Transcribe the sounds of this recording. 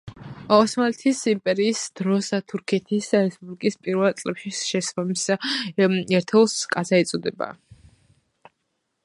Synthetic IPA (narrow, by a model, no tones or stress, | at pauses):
ɔsmalɛt̪ʰisimpʼɛɾiːsd̪̥ɾɔsat̪ʰuɾkʰɛt̪ʰisɾɛspʼublikʼispʼiɾvɛlˠt̪sʼlɛpʃiʃɛsɔmis | ɛɾt̪ʰɛlˠskʼazaɛt̪sʼɔd̪ɛba̰